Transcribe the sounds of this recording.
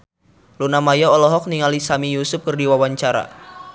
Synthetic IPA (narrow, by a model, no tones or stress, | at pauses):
lunamajɔːlɔɦɔk̚niŋalisamijusʊp̚kərdiwawaɲt͡ʃaɾa̰